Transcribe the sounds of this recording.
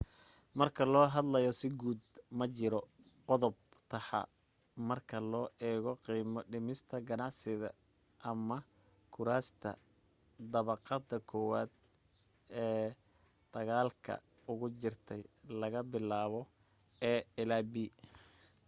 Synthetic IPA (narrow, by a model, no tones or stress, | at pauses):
mɐrkʰɐlɔːɦɐd̪lɐjɔsɪɡuːd̪mɐt͡ʃɪɾɔ | qɔðɔb̚t̪ʰɐħɑ̰ | mɐrkʰɐlɔːʔɛːɣɔqiːmɔɖɪmɪst̪ʰɐɡɐnɑʕsɪðɐ̰ | ʔɐmɐ | kʰʊɾaːst̪ʰɐ̰ | d̪ɐβɑqɑd̪ːɐkʰɔːwaːd̪̚ | ɛː | d̪̥ɐɣaːlkʰɐ̰ | ʊɣʊt͡ʃɪrt̪ʰɛjlɐɣɐbɪlaːβɔ | ɛːɪlaːbiː